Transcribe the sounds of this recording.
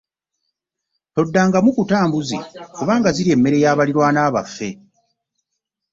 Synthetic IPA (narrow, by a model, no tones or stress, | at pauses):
to̞dːaːŋɡamukutaːmbuzḭkoβaːŋɡaziɾie̞mːe̞ɾe̞jaːβaliɾwaːnaːβa̰fːe̞